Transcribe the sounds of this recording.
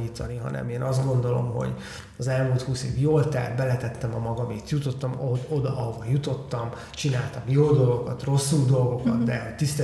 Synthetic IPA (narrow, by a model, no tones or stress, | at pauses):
iːt̪ɒniɦɒ̰nɛ̰meːnʔɒzd̪ɡo̞nd̪o̞lo̞̰mɦo̞̰ɟ | ɒzɛlmuːlt̪huːsḛːvjoːlt̪ɛ̰ːd̪bɛlɛt̪ɛt̪ːɛmɒmɒɡɒmet̪jut̪o̞t̪ːɒmo̞d̪ɒʔɒɦo̞vɒjut̪o̞t̪ːɒm | t͡ʃinaːlt̪ɒmjoːd̪o̞lɡokɒt̪ro̞sːuld̪o̞lɡo̞kɒt̪d̪ɛɦo̞ct̪ist̪ɛ